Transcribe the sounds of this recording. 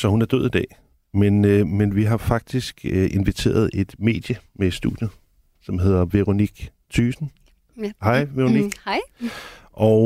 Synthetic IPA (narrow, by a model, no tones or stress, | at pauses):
sɒ̽hunæɐd̥øð̰ˠid̥ɛ̰ː | menmenʋiɦɑ̈fɑ̈ɡ̥̚d̥isɡ̥ʔe̝nʋit͡sʰe̝̰ːɐð̞ˠe̝d̥me̝̰ːd̥jəme̥sd̥ṵd̥jə | sɒ̽mɦe̝ð̞ˠɐʋe̝ʁo̝niɡ̥ | t͡sʰy̰ːsn̩ | hɑ̈ɪ̰ʋeʁo̝niɡ̥ | ʔɒʊ